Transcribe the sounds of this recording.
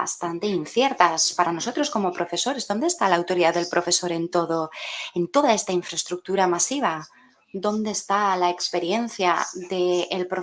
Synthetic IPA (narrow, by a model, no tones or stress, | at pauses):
a̰st̪ant̪e̞inθje̞ɾt̪aspaɾano̞so̞t̪ɾo̞sko̞mo̞pɾo̞fe̞so̞ɾe̞zðo̞nd̪est̪alaːwt̪o̞ɾiðaðe̞lpɾʔo̞fe̞so̞ɾe̞nt̪o̞ðo̞ent̪o̞ðae̞st̪aiɱfɾast̪ɾuk̚t̪uɾamasiβ̞a | d̪o̞nd̪e̞ːst̪alaekspe̞ɾje̞n̟θja̰ðe̞ːlpɾo